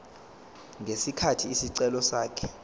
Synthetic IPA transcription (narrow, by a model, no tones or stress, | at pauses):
ŋɡʱesikʰatʰiːsiǀɛlɔsaːkʰɛ̥